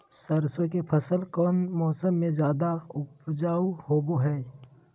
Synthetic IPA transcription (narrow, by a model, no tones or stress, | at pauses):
səɾsõkepʰəsəlkɔːnmɔːsəmːẽzjaːd̪aʊpd͡ʒaːuhoːboɦɛː